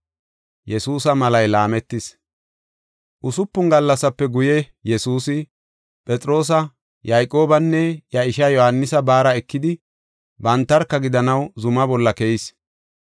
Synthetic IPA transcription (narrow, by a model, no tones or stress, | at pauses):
jɛsuːsɐmɐlɐjlaːmɛt̪ːɪs | ʔʊsʊpːʊŋɡɐlːɐsɐpːɛɡʊjɛ | jɛsuːsɪ | pʼɛt͡sʼɾo̞ːs̬ɐ | jajkʼoːbɐnːɛjɐɪʃɐjɔhɐnːɪsɐbaːɾɐɛkːɪd̪ɪ | bɐnt̪ːɐɾkːɐɡɪd̪ɐnɐwzʊmɐbɔlːɐkɛɪs